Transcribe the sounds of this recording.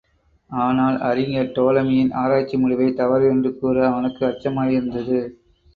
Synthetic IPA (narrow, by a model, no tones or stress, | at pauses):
aːnaːlɐ̰ɾɪŋɡɐʈoːlɐmɪjɪnaːɾaːt͡ʃːimʊɻʊʋɐɪt̪ɐʋɐɾɛndrɯkːuːrɐːʋɐnɯkːɯɐt͡ʃːɐmaːjɪɾɯnd̪ɐðɯ